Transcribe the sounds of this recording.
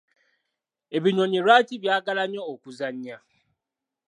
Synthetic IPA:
ebiɲɔniɾatibjaɡalaɲɔokuzaɲɲa

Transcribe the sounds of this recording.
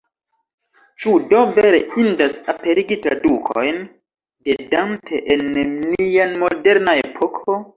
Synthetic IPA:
t͡ʃudoveɾeindasape̞ɾiɡitɾa̰dukʰo̰jn | dedamtʰeʔennianmode̞ɾnae̞pʰokʰo

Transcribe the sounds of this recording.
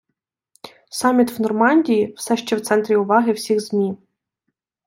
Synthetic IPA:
sɑmʲit̪wnɔrmɑnʲdʲijiwsɛʃt͡ʃɛwt̪sɛnt̪ɾʲiʊʋɑɦɪwsʲiɣzmʲi

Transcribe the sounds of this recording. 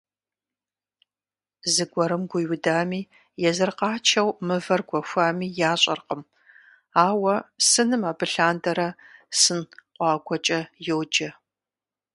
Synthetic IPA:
zɨɡʷɔɾɨmɡʷʊjwʊdaːmiː | jɛzɨrqɑːt͡ʃʰɐwmɨvɐrɡʷɔxʷaːmiːjaːɕʼɐ̰rqəm | aːwɐsɨnɨmaːbɨɬaːndɐɾɐsɨnqʷʼɑːɡʷɔt͡ʃʼɐjowd͡ʒɐ

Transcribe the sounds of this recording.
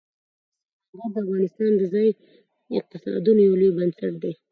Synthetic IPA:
aɣad̪əafɣɑnɪst̪ɑnd̪əzɑj | ɪq̚t̪ɪsɑ̰d̪unjawlojbənsaʈ̚d̪e

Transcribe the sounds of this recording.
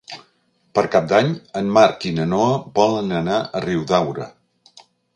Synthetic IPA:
pəɾkap̚d̪aɲəmmaɾkinənoəβɔlənənaʔəriwðawɾə̰

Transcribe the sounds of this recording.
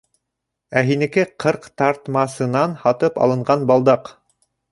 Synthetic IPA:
æɦinɘ̆kɘqʰɤɾqt̪ɑɾt̪mɑsɤ̆nɑnhɑt̪ɤpɑ̰lˠɤ̆ɴɢɑnbɑlˠd̪ɑq

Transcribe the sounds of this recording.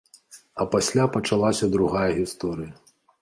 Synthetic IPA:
ɐpasʲlʲapɐt͡ʂalˠasʲɐd̪ɾuɣajɐɣʲist̪ɔɾɨjɐ

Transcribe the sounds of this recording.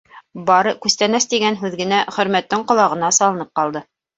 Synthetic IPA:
bɑɾɤkʉst̪ænæst̪iɡænɦʉðɡɘ̆næχɵ̆ɾmæt̪ːɘɴqŏlˠɑʁɤ̆nɑsɑlˠɤ̆nɤp̚qɑlˠd̪ɤ

